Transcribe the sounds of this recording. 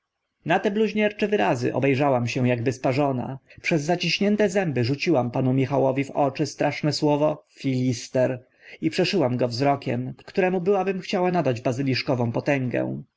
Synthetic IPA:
nat̪ɛbluʑɲɛɾt͡ʂɛvɘɾazɘ̰ʔɔ̰bɛjʐawamɕɛw̃jaɡ̚bɘspaʐɔna̰pʂɛzːat͡ɕiɕɲɛnt̪ɛzɛmbɘʐut͡ɕiwampanumʲixawɔvʲivɔt͡ʂɘst̪ɾʔaʂnɛswɔvɔfʲilʲist̪ɛɾ | ipʂɛʂɘwamɡɔvzɾɔkʲɛ̰mktt̪uɾɛmubɘwabɘmxt͡ɕawanad̪ad͡ʑbazɘlʲiʂkɔvɔ̃w̃pɔt̪ɛŋɡɛ̰̃w̃

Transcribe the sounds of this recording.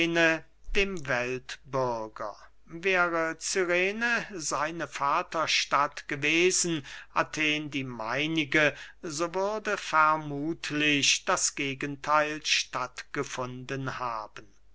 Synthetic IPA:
nə | d̥eːmvɛltbʏɐɡɐ̰ | vɛːʁət͡syʁeːnəzaɪnəfaːtɐʃtatɡ̥əveːzn̩ʔatʰeːndiːmaɪnɪɡəzoːvʏɐdəfɛɐmuːtʰlɪɕd̥asɡ̥eːɡəntʰaɪlʃtatɡ̥əfʊndənhaːbən

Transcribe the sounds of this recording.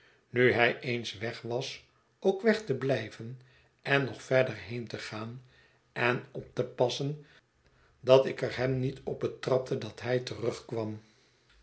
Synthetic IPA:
nyɦɛjʔejnsʋɛχʋɑs | oʊkʋɛχtəblɛjvən | ɛnːɔχfɛɹdəɹɦejntəχaːn | ɛnɔp̚t̪əpɑsən | dɑtɪkəɹɦɛmnitɔb̚bətrɑp̚tʰədɑtɦɛjtərɵχkʋɑm

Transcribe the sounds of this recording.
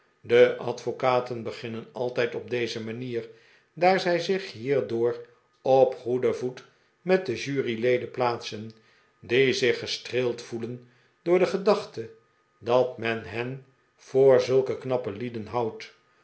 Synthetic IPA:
dəʔɑ̰tfokaːtənbəχɪnənɑlˠtɛjtɔb̚dejzəmaniːɹ | daːɹzɛjzɪχɦiːɹdʊːr | ɔpχudəvut | mɛt̚dəʒyːrilejdəplaːtsən | dizɪχəstreːlˠtfulən | d̥ʊːɹdəχədɑχtə | dɑtmɛnɦɛn | v̥ʊːɹzɵlˠkəknɑpəlidənɦawt

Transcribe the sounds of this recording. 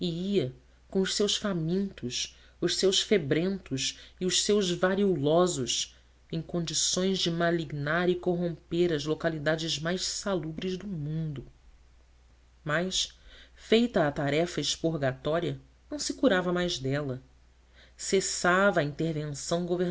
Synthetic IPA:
ɪiɐ | kõʊʃsewʃfamĩnt̪ʊʃ | ʊʃsewʃfebɾẽnt̪ʊʃiʊʃsewzvaɾiulɔzʊʃ | ẽj̃kõnd͡ʒisõj̃zd͡ʒɪmaliɡnaɾɪkoɦõmpeɾɐzlokalid̪ad͡ʒɪzmajssalubɾɪzd̪ʊmũnd̪ʊ | majsfejt̪ɐːt̪aɾɛfɐɪʃpuɾɡat̪ɔɾiɐ | nɐ̃w̃sɪkuɾavɐmajzd̪ɛlɐ | sesavɐːĩnt̪eɾvẽsɐ̃w̃ɡove

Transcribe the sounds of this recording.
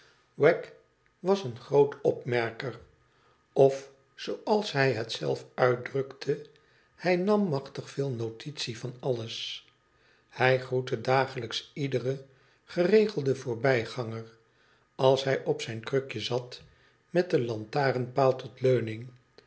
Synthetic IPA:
wɛk | ʋɑsənχrowtɔpmɛɹkər | ɔf | sowɑlˠsɦɛjɦətsɛ̰lˠfœɥt̚drɵktʰə | hɛjnɑmːɑχtəχfɪːlˠnowtitsivɑnɑləs | hɛjχrutədaːχələksidərə | χərejχəlˠdəvʊːɹbɛjχɑŋər | ɑlˠsɦɛjʔɔpsɛjnkrøkjəzɑt | mɛt̚dəlɑntaːrənpaːlˠtɔtløɥnɪŋ

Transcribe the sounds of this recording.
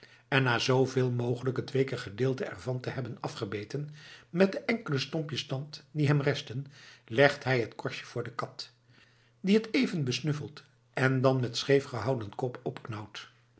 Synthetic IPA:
ɛnːaːzowvɪːlˠmowχələkɦətʋejkəχədɪːlˠtəɛ̰ɹvɑntəɦɛbənɑfχəbejtənmɛt̚dəʔɛŋkələstɔmpjəstɑntdiɦɛmrɛstənlɛχtɦɛjɦətkɔɹʃjə̥v̥ʊːɹdəkɑt | diɦətejvənbəsnɵfəlˠt | ɛndɑnmɛtsχejfχəɦɑwdənkɔpɔpknɔwt

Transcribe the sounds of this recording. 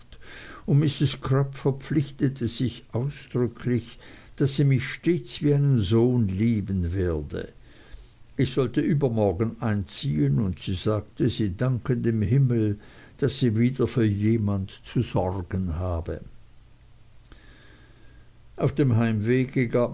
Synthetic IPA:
tʊndmɪsɪskʰʁ̥œpfɛɐp͡flɪçtətʰəz̥ɪçʔaʊsd̥ʁʏkʰlɪçd̥asiːmɪçʃteːt͡sv̥iːaɪnənzoːnliːbənvɪːɐdə̰ | ʔɪçz̥ɔltəʔyːbɐmɔʁɡən̩aɪnt͡siːənʊntsiːzaːɡ̚təziːdaŋkəndeːmɦɪml̩ | d̥asiːviːdɐfyːɐjeːmantt͡suzɔrɡənhaːbə | ʔaʊfd̥eːmhaɪmveːɡəɡaːp

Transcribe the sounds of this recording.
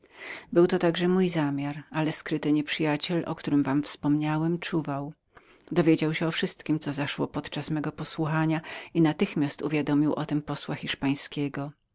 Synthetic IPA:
bɘwt̪ɔt̪aɡʐɛmujzamʲjaɾalɛskɾɘt̪ɘɲɛpʂɘjat͡ɕɛlʔɔ̰kt̪uɾɘmvamfspɔmɲawɛmt͡ʂuvaw | d̪ɔvʲjed͡ʑawɕɛɔfʂɘst̪kʲimt̪ɔzaʂwɔpɔt̪t͡ʂasmɛɡɔpɔswuxaɲainat̪ɘxmʲjast̪uvʲjad̪ɔmʲiwʔɔt̪ɘmpɔswaxʲiʂpaj̃skʲɛɡɔ

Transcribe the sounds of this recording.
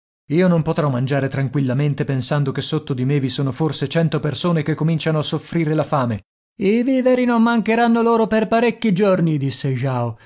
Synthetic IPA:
iːonompot̪ɾɔmːand͡ʒaːɾet̪ɾaŋkwilːament̪epensand̪okesːot̪ːod̪imevisoːnoforset͡ʃɛnt̪opersoːnekekːomint͡ʃanoasːofɾiːɾelafaːme | iviːveɾinomːaŋkeɾanːoloːɾoperpaɾekːid͡ʒornid̪isːeʒaːo

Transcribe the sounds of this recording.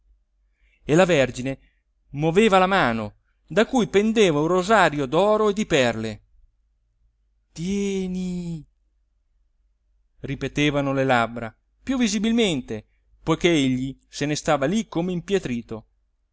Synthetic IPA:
elaverd͡ʒine | mwoveːvalamaːno | d̪akujpend̪eːvaũrːozaɾjod̪ɔːɾoed̪ipɛrle | t̪jɛni | ripet̪eːvanolelabɾa | pjuvːizibilment̪e | pojk̟eeʎːisenest̪aːvalikːomeimpjet̪ɾiːt̪o

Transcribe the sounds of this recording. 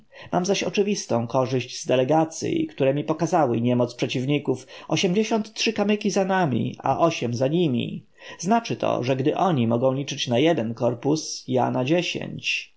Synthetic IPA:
mʔamzaɕɔt͡ʂɘvʲist̪ɔ̃w̃kɔʐɘʑd͡ʑzd̪ɛlɛɡat̪sʲjḭkt̪uɾɛmʲipɔkazawɘɲɛmɔt̪spʂɛt͡ɕivɲikufʔɔɕɛmd͡ʑeɕɔnt̪tʂɘkamɘkʲizanamʲḭa̰ʔɔɕɛmzaɲimʲḭ | znat͡ʂɘt̪ʰɔ̰ʐɛɡd̪ɘʔɔɲimɔɡɔ̃w̃lʲit͡ʂɘt͡ɕnajɛd̪ɛnkɔɾpusja̰nad͡ʑeɕḛɲt͡ɕ

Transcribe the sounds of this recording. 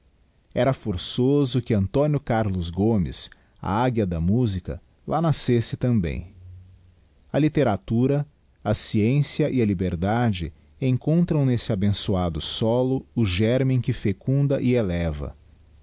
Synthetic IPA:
ɛɾɐfoɾsozʊkɪɐ̃nt̪õnjʊkaɾlʊzɡomɪ̰s | ɐ̰aɡjɐd̪ɐmuzikɐ̰ | lanasesɪt̪ɐ̃mbḛ̃j̃ | ɐlit̪eɾat̪uɾɐ | ɐsiẽsjɐʔiɐlibeɾd̪ad͡ʒɪ̰ | ẽŋkõnt̪ɾɐ̃w̃nesɪabẽsuad̪ʊsɔlʊʊʒɛɾmẽj̃kɪfekũnd̪ɐʔɪelɛvɐ̰

